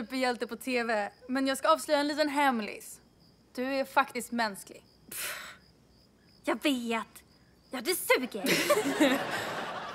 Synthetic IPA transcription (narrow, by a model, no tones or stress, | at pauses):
ʉːpːəjɛlt̪əpʰɔt̪ʰeːvɛmɛnjɑːɡskaɑːvslʉ̟jːaɛnliːt̪ənɦɛmlɪ̰s | d̪̥ɵæɾfakt̪ɪst̪mɛnsklɪ̰ɡ | jɑːveːt̪ | jɑd̪ɛsʉːɡəɾ